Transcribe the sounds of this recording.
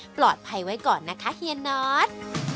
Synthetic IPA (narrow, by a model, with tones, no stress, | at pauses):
plɔː˨˩t̪̚pʰa˧jwa˦˥jkɔː˨˩nːa˦˥kʰa˦˥hi˧ə˧nːɔː˦˥t̪̚